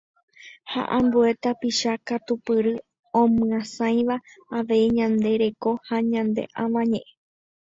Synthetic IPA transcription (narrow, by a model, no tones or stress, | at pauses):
ha̰ʔãmbue̞t̪apiʃakat̪upɨɾɨ | õmɨ̃ãsãj̃ʋaːʋe̞iɲãnd̪e̞ɾe̞ko̞haɲãnd̪e̞̰ʔãʋãɲẽʔẽ